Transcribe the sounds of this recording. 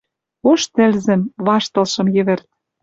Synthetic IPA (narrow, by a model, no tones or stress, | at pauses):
oʃt̪ɘ̆lzɘ̆mβɑʃt̪ɤ̆lʃɤ̆mjɘ̆βɘ̆rt̪̚